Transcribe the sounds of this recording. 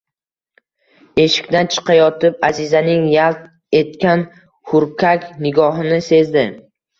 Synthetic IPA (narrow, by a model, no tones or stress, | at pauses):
e̞ʃɪ̥kʲt̪ant͡ʃʰɨ̥qʰɑjɒt̪ʰɪp̚azɪzanɪŋjalt̪ | e̞t̪kʲan | hʊɾkʲʰakʲnɪɡɒɦɪnɪse̞zd̪ɪ